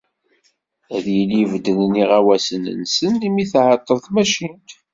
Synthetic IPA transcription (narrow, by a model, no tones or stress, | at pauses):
æðjəlivd̪ənniʁæwæsənə̰nsənlimiθʕət̪ˤːəðˤθmæʃint̪